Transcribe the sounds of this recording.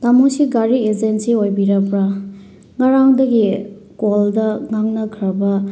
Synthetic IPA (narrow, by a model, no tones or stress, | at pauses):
tamusiɡaɾied͡ʒensiojbiɾɐpɾa | ŋaɾaŋdɐɡi | koldɐŋaŋnɐkʰɐɾbɐ